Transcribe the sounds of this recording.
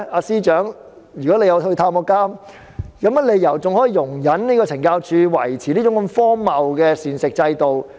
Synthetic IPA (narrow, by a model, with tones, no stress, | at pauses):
aː˧siː˥t͡ʃœː˨˥ŋ | jy˨˩kɔː˨˥le˨˧jɐ˨˧whɵ˧t̪ʰaː˧mɔː˧kːaː˥m | kɐ˨˥ma˨˧le˨˧jɐ˨˩wt͡sʊ˨ŋhɔː˨˥jiː˨˧jʊ˨˩ŋjɐ˨˥nniː˥kɔː˧t͡sʰɪ˨˩ŋkaː˧wt͡ʃʰyː˧wɐ̰˨˩jt͡sʰiː˨niː˥t͡sʊ˦˥ŋk̬ɔ˧mfɔː˥mɐ˨wkɛː˧siː˨˩nsɪ˨k̚t͡sɐ˧jt̪o˨w